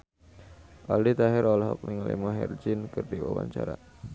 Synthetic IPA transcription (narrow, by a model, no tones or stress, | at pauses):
ʔaldit̪aɦɪɾɔlɦɔ̰k̚niŋlʔḭmaɦɛ̰rd͡ʒinkɨrdiwawa̰ɲt͡ʃaɾa